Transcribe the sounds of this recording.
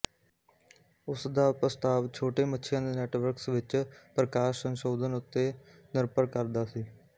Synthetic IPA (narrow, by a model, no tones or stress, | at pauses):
ʊsd̪aːpɾəst̪aːʋt͡ʃʰoːʈeːmətːʃʰɪjãːd̪eːnɛːʈʋəɾksʋɪt͡ʃpɾəkaːʃsənʃoːd̪ənʊt̪ːeː | nɪɾpəɾkəɾd̪aːsiː